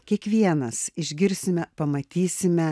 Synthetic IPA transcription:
kʲiɛkʋʲiɛnɐsɪʒʲɡʲɪɾʲsʲɪmʲɛpɐmɐt̪ʲiːsʲɪmʲɛ

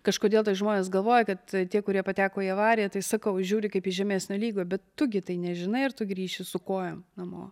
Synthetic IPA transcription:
kɐʃkoːd̪ʲeːlˠt̪ɐɪʒmoːnʲeːsɡɐlˠʋoːjɛkɐt̪t̪ʲiɛkʊɾʲiɛpɐt̪ʲæːkoːiɐʋɑːɾʲɪjɛt̪ɐɪsɐkɐʊʒʲuːɾʲɪkɐɪpiʒʲɛmʲeːsʲnʲoːlʲiːɡoːbʲɛt̪ːʊɡʲɪt̪ɐɪnʲɛʒʲɪnɐɪɐrt̪ʊɡɾʲiːʃʲɪsʊkoːjomnɐmo̰ː

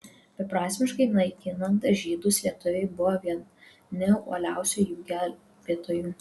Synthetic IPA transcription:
bʲɛpɾɑːsʲmʲɪʃkɐɪnɐɪk̪ʲiːnɐnt̪ɐʒʲiːd̪ʊsʋʲiɛt̪ʊʋʲɛɪbʊʋoʋʲiɛ | nʲɛṵːlʲæˑʊsʲujuːɡʲæːl | ʋʲiɛt̪oːjuː

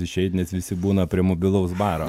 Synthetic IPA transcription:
ɪʃʲɛɪt̪ʲnʲɛsʋʲɪsʲɪbuːnɐpʲɾʲiɛmɔbʲɪlˠɐʊsbɑːɾoː

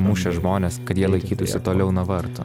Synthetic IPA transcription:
muːʃʲɛʒmoːnʲeːskɐt̪jiɛlˠɐɪkʲiːt̪ʊsj̪ʲɪt̪oːlʲɛʊnɐʋɐɾt̪o̰

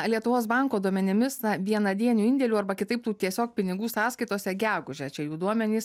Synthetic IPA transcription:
lʲiɛt̪ʊʋoːs̬bɐŋkoːd̪uɔmʲɛnʲɪmʲɪsnɐʋʲiɛnɐd̪ʲiɛnʲuːɪnʲd̪ʲɛlʲuːɐrbɐkʲɪt̪ɐɪp̚t̪uːt̪ʲiɛsʲoːk̚pʲɪnʲɪɡuːsɑːskɐɪt̪oːsʲɛɡʲæːɡʊʒʲɛt͡ʃʲɛjuːd̪uɔmʲɛnʲiːs

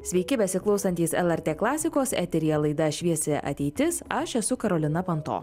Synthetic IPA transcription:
sʲʋʲɛɪkʲɪbʲɛsʲɪklˠɐʊsɐnʲt̪ʲiːsɛlˠɛɾʲt̪ʲeːklˠɑːsʲɪkoːsɛ̰t̪ʲɛɾʲijɛlˠɐɪd̪ɐʃʲʋʲiɛsʲɛʔɐ̰t̪ʲɛɪt̪ʲɪsɐʃɛsʊkɐɾoːlʲɪnɐpɐnt̪o̰ː

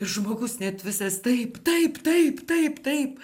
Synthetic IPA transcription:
ɪɾʒmoːɡʊsnʲɛt̪ʋʲɪsɐst̪ɐɪpt̪ɐɪpt̪ɐɪpt̪ɐɪpt̪ɐɪp

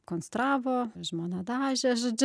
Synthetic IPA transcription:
konst̪ɾɑːʋoːʒmonɐd̪ɑːʒʲɛʒɐd͡ʒʲ

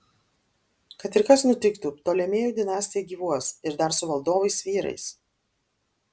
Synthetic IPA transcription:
kɐt̪ɪɾkɐsnʊt̪ʲɪkt̪ut̪oːlʲɛmʲeːjuːd̪ʲɪnɑːsʲt̪ʲɪjɛɡʲiːʋuɔsɪɾd̪ɐɾsʊʋɐlˠd̪oːʋɐɪsʋʲiːɾɐ̰ɪs

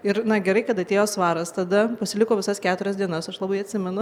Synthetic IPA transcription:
ɪɾnɐɡʲɛɾɐɪkɐt̪ɐt̪ʲeːjoːsʋɑːɾɐst̪ɐd̪ɐpɐsʲɪlʲɪkoːʋʲɪsɐskʲæːt̪ʊɾʲɛsd̪ʲiɛnɐsɐʃlˠɑːbɐɪɐt̪ʲsʲɪmʲɛnʊ

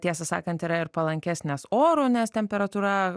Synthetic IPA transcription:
tʲiɛsɐsɑ̰ːkɐnt̪iːɾɐɪɾpɐlˠɐŋʲkʲæːsʲnʲesoːɾʊnʲɛst̪ʲɛmʲpʲɛɾɐt̪uːɾɐ

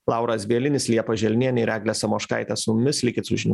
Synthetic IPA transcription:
lˠɑˑʊɾɐsʋʲiɛlʲɪnʲɪslʲiɛpɐʒʲɛlʲnʲiɛnʲɪɾʲæːɡlʲɛsɐmoːʃkɐ̰ɪt̪ʲɛsʊmʲmʲɪslʲɪkʲɪt̪sʊʒʲɪnʲː

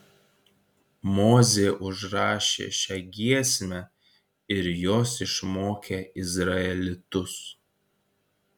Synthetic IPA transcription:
moːzʲeːʔʊʒɾɑːʃʲḛːʃʲɛɡʲiɛsʲmʲɛ | ɪɾjoːsɪʃmoːkʲeːɪzɾɐɛlʲɪt̪ʊs

